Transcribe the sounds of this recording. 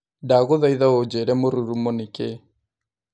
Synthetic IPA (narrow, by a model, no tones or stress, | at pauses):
daɣoðaiðaod͡ʒɛɾɛmoɾuɾumoneke